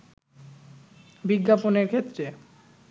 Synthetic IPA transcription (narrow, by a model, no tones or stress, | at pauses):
biɡːaponeɾkʰet̪ːɾe